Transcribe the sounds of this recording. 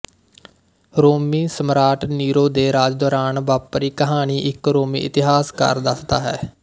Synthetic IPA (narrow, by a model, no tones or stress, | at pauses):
ɾoːmiːsəmɾaːʈniːɾoːd̪eːɾaːd͡ʒd̪oːɾaːnʋaːpɾiːkəɦaːniːʔɪkɾoːmḭːɪt̪ɪɦaːskə̰ɾd̪əsd̪a̰ːɦɛː